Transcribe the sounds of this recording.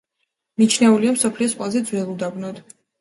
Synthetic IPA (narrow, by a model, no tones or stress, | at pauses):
mit͡ʃʰnɛuliamsɔpʰliɔspʼlazɛd̪zwɛlˠud̪abnɔd̪